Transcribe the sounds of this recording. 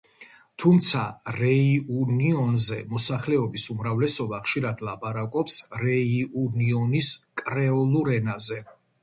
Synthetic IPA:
t̪ʰumt̪sʰaɾɛiuniɔnzɛmɔsaχlɛɔbisumɾavlɛsɔbaχʃiɾad̪lˠapʼaɾakʼɔpsɾɛiuniɔniskʼɾɛɔlˠuɾɛnazɛ

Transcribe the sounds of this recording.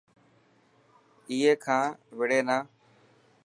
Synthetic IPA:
iːɦeːkʰãːʋɪɽeːnaː

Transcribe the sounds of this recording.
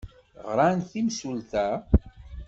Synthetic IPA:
ʁɾanθimsult̪æ

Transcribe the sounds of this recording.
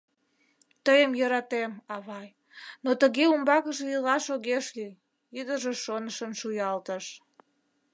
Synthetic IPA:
t̪əjəmjəɾɑt̪emɑβɑj | not̪əɣeumbɑkəʒĕilɑʃoɣeʃly | jyd̪əʒeʃonəʃənʃujɑlt̪əʃ

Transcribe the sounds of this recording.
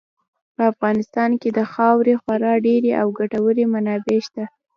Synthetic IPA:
pəafɣɑnɪst̪ɑnked̪əxɑwɾexwaɾɑɖeɾeʔawɡaʈawəɾemanɑbeʃt̪a

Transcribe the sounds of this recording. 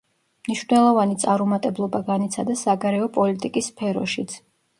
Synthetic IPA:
mniʃvnɛlˠɔvanit̪sʼaɾumat̪ʼɛblˠɔbaɡanit̪sʰad̪asaɡaɾɛɔpʼɔlit̪ʼikʼisːpʰɛɾɔ̰ʃit̪sʰ

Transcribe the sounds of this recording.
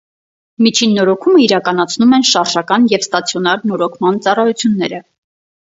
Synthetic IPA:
mit͡ʃʰinːɔɾɔkʰuməiɾɑkɑn̪ɑt͡sʰnumɛnʃɑɾʒɑkɑnjɛvst̪ɑt͡sʰjɔnɑɾnɔɾɔkʰmɑnt͡sɑrɑjut͡sʰjunːɛ̰ɾə

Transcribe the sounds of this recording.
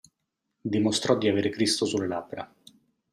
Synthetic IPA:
d̪imost̪ɾɔd̪ːiaveːɾekɾist̪osulːelabːɾa

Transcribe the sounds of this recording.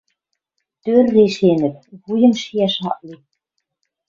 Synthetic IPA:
t̪ørːeʃenɘ̆p̚βujɤ̆mʃijæʃɑ̰ʔli

